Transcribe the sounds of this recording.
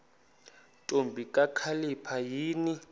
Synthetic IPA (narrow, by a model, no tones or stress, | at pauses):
tʼombʱikʼakʰalipʰajiːni